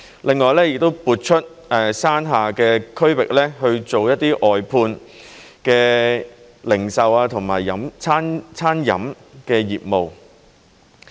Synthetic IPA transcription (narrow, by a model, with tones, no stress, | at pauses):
lɪ˨˧ŋːɔː˨˩jlɛː˥jɪ˨k̚t̪o˥wpuː˨˧t̚t͡ʃʰɵ˥t̚ | ɛː˨˩saː˥nɦaː˨˩kɛː˧kʰɵ˥ɥwɪ˨k̚lɛː˥ɦɵ˧ɥt͡ʃo˨wjɐ˥t̚t̪ːiː˥ʔɔː˨jpʰuː˧n | kɛː˧ | lɪ˨˩ŋsɐ˨waː˧t̪ʰʊ˨˩ŋmaː˨˩jːɐ˨˥mt͡sʰaː˥nt͡sʰaː˥njɐ̰˨˥m | kɛː˧jiː˨p̚mo˨w